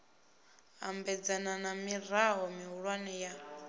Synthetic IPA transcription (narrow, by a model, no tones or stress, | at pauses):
ɦa̰mbɛd͡zananamiraɦɔmiɦuɺwanɛja